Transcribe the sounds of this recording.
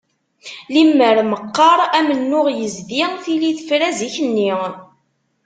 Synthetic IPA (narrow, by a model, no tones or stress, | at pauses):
limːəɾməqːɑɾˤæmənːʊʁjəzdiθiliθəfɾæziçənːi